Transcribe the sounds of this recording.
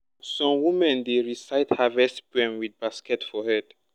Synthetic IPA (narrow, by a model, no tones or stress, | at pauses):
sɔ̃mwumɛ̃ndeɹisaɪthavɛstbɛ̃mwid̚baskɛtfɔhɛd